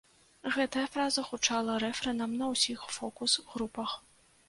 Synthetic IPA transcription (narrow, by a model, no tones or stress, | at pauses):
ɣɛt̪ɐjɐfɾazɐxut͡ʂalˠɐɾɛfɾɛnɐmnɐwsʲixfɔkusɣɾupɐx